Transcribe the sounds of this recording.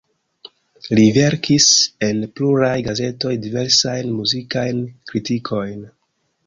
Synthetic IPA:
live̞ɾkise̞npluɾajɡaze̞to̞jdive̞ɾsajnmuzikajnkɾitikʰo̞jn

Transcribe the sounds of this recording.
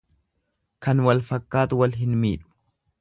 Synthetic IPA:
kɐnwɐlfɐkːaːt̪ʊwɐlɦɪnmḭːᶑʊ̥

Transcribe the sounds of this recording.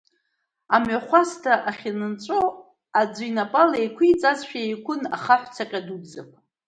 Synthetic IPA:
amʕaχʷastʰaʔaχʲinɨnt͡ʃʷʼo | ad͡zʷijnapʼalejkʷʰiit͡sʼazʃᶣaejkʷʰʊna̰χaħʷt͡sʰaqʲʼadubzapʷʼ

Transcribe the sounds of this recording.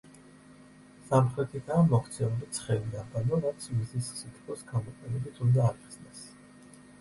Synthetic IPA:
samχɾɛt̪ʰit̪aːmɔχʰt̪sʰɛulit̪sʰχɛlid̪abanɔɾat̪sʰmizisːit̪ʰχɔsɡamɔqʼɛlɛbit̪ʰund̪aːɾiχsnɛs

